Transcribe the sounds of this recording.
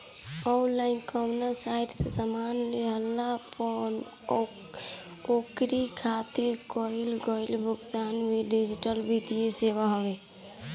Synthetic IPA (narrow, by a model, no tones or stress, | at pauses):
ɔlankɔmnasaːɪʈsesəmaːnleɦəlːapɔn | oːkɾikʰaːt̪ɪɾkɔɪlɡɔːɪlbʱʊɡt̪aːnbʱiɖid͡ʒɪʈəlbʱid̪ijeseːʋaɦoʋe